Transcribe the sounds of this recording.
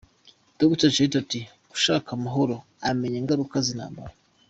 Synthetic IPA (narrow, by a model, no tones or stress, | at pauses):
d̥oɡutat͡ʃeitati | ɡu̥ʃaːkamaɦo̞ɾo̞ | ame̞ɲeːŋɡaɾukazina̰ːmba̰ɾa